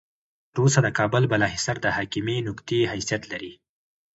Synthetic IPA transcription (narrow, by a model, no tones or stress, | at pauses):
t̪əɾosad̪əkɑbʊlbalɑɦɪsaɾd̪əhɑkiminʊkt̪eɦajsijat̪laɾi